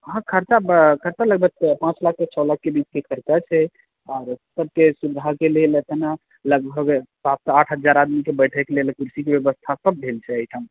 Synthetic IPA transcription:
ɦãkʰəɾt͡ʃabkʰəɾt͡ʃaləɡbʱək̪̚pãt͡ʃlakʰːet͡ʃʰɔlak̚ʰːebit͡ʃkekʰəɾt͡ʃat͡ʃʰɛ | ɔːɾsəb̚kesubd̪ʱakelelət̪əna | ləɡbʱəɡpap̚t̪aʈʰɦəd͡ʒaɾad̪mikebəjʈʰɛkelelkuɾsikebjəbəst̪ʰasəb̚ːʱelt͡ʃʰɛəjʈʰam

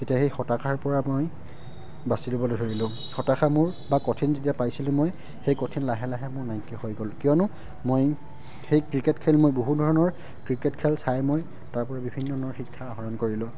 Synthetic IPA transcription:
tetiaxejxɔtakʰaɹpɔɹamoj | basilobɔlojdʱoɹilʊ̃ | xɔtaxamʊɹbakɔtʰinzetiapajsilʊ̃moj | xejkɔtʰinlaɦɛlaɦɛmʊɹnajkːɛhojɡɔlkijɔnʊ | moj | xejkɹiketkʰelmojboɦudʱɔɹɔnɔɹ | kɹiketkʰɛlsajmoj | taɹpɔɹabibʱinːɔɔnɔɹxikʰːaːɦɔɹɔnkoɹilʊ̃

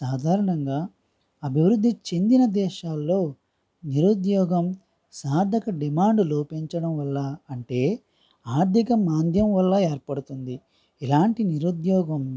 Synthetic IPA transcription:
saːd̪ʱaːɾɐɳɐŋɡaː | ɐbʱiʋɾud̪ʱːit͡ʃe̞nd̪inɐd̪ɛːʃaːlːo̞ː | niɾud̪jɔːɡɐm | saːɾd̪ʱɐkɐɖimaːɳɖloːpeɲt͡ʃɐɽɐmʋɐlːɐːɳʈe̞ː | aːɾd̪ʱikɐmaːnd̪ʱjɐmʋɐlːɐeːɾpɐɽut̪und̪i | ilaːɳʈiniɾud̪jɔːɡɐm

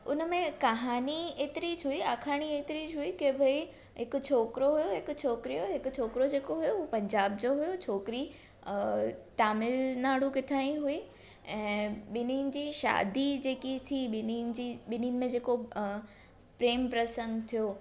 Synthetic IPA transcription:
ʊ̰nəmẽkɐɦaːnieːt̪ɪɾit͡ɕɦuiaːkʰaːɽ̃ieːt̪ɪɾid͡ʑɦuikebʱɐi | ɦɪkʊt͡ɕʰoːkɾoɦujoɦɪkʊ̆t͡ɕʰoːkɾijoɦɪkʊt͡ɕʰoːkɾod͡ʑeːkoɦujoʊupɐ̃ɲd͡ʑaːbd͡ʑoɦʊjot͡ɕʰoːkɾi | t̪aːmɪlnaːɽ̤ukɪʈʰaːĩɦui | ɛ̃ːɓɪniːnɪ̆d͡ʑiːʃa̰ːd̪id͡ʑeːkit̪ʰiɪnid͡ʑiɓɪninmẽd͡ʑeːko | pɾeːmpɾɐsə̃ŋɡt̪ʰijoː

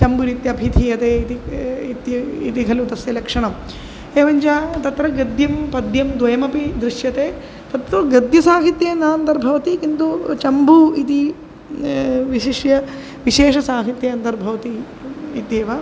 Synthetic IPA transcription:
t͡ʃɐmbuɾit̪jɐbʱit̪ʰijɐt̪eːit̪iit̪jɐḭt̪iɡʱɐlut̪ɐsjɐlɐkʂɐɳɐm | eːʋɐɲt͡ʃaːt̪ɐt̪ɾɐɡɐd̪jɐmpɐd̪jɐmd̪ʋɐjɐmɐpid̪ɾɪʃjɐt̪eː | t̪ɐt̪ɾɐɡɐd̪jɐsaːɦit̪jeːnaːnt̪ɐɾbʱɐʋɐt̪ikint̪ut͡ʃɐmbuit̪i | ʋiʃiʂjɐ | ʋiʃeːʂɐsaːɦit̪jɐɐnt̪ɐɾbʱɐʋɐt̪iː | t̪eːʋɐ

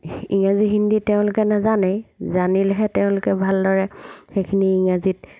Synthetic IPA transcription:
iŋaziɦinditɛʊ̃lʊkɛnazanɛzanilɛɦɛtɛʊ̃lʊkɛbʱaldɔɹɛxekʰiniːŋazit̚

